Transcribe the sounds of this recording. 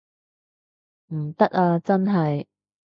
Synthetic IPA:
m̩˨˩t̪ɐ˥k̚aː˧t͡sɐ˥nɦɐ˨j

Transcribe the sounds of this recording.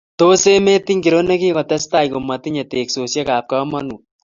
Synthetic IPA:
to˦se˦me˦ti˦ŋɡi˨ɾo˦ne˦ki˦kɔ˨tɛ˦sta˦jko˨mɐ˨ti˦ɲe˨te˨kso˨sje˦ka˨p̚kɔ˦mɐ˦nu˨

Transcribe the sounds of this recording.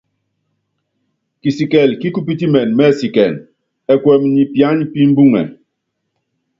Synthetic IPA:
ki˨si˨kɛ˨lki˦ku˦p̬i˦ti˦mɛ˨nmɛ˦˨si˨kɛ˨n | ɛ˨kwɛ˨m˦ɲi˨pja˦ɲpi˦m̩˦bu˦ŋɛ̰˨

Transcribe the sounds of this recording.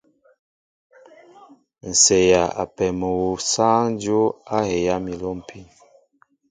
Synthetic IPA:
n̩˨se˨ja˨a̰˨pɛ˨mə˨wo˨saː˦ŋn˦d͡ʒo˦a˦he˨ja˦mi˨lo˦m˨pʰi˦n

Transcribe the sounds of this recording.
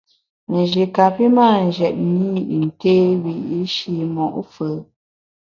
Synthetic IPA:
n˨ʒi˨ka˨pi˦maː˦˨n̩˨d͡ʒɛ˨t̚ni˦i˨n̩˨teː˦wi˨i˦ʃi˦mɔ˨ʔfə˨˦

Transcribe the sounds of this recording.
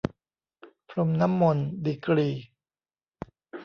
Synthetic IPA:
pʰɾo˧mna˦˥mːo˧ndiː˧˩kɾiː˧

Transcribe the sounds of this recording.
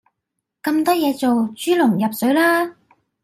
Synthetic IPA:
kɐ˧mt̪ɔː˥jɛː˨˧t͡so˨wt͡ʃyː˥lʊ˨˩ŋjɐ˨p̚sɵ˨˥ɥlaː˥

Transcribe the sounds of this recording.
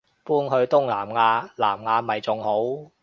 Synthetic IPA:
puː˥nɦɵ˧ɥt̪ʊ˥ŋlaː˨˩mŋaː˧la̰ː˨˩mŋaː˧mɐ˨jt͡sʊ˨ŋho˨˥w

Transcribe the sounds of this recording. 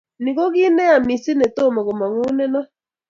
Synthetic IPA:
ni˨ɣo˦ɣi˦nɛ˦a˨mi˨si˦ne˨to˦˨ma˨ɣo˨ma˨ŋu˦nɛ˦nɔ˦

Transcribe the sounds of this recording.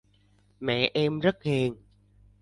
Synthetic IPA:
mɛ̰˧˨ʔɛ˧mzə˦˥t̚he˨˩ŋ

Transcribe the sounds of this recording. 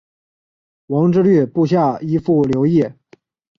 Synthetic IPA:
wɑ˧˥ŋʈ͡ʂɻ̩˥ly˥˧pu˥˧ɕ̬ja˥˩i˥fu˥˩ljo˧˥ʊjɛ˥˩

